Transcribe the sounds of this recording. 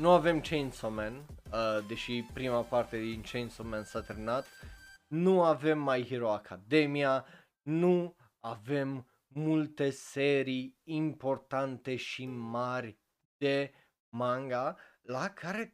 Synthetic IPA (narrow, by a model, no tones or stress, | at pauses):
nuave̞mt͡ʃejnsomend̪e̞ʃipɾimapart̪e̞d̪int͡ʃejnsomensat̪ɾnat̪nuave̞mːajhiɾoakʰad̪e̞mia | nu | ave̞mː | ult̪e̞seɾiːmpo̞rt̪ant̪e̞ʃimarʲ | d̪̥e̞ | maŋɡa | lakʰaɾe̞